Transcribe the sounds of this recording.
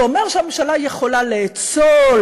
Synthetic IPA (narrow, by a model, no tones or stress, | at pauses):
omeʁʃeamemʃalajeχo̞laleːt͡sol